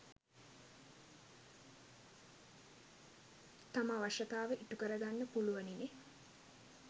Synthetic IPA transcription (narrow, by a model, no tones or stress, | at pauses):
t̪amaʋaʂɐt̪aːʋəʔiʈukəɾəɡanːəpuluʋɐnine